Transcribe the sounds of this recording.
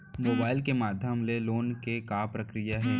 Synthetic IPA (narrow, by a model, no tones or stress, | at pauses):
moːbaːɪlkemaːd̪ʱjəmleloːnkekaːpɾɐkɾijaɦɛː